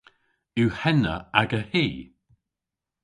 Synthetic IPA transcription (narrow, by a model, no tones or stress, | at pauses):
uhɛnə̰aɡəhiː